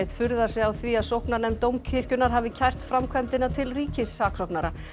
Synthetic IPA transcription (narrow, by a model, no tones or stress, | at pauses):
t̪fʏɾðaɾ̥sɛawθviaðsowhknanɛmt̪owmcʰɪr̥cʏnaɾ̥ɦaːvɪcʰajr̥t̪fɾamkʰvajmt̪ɪnat̪ʰɪlriːcɪsːaːksɔwknaɾa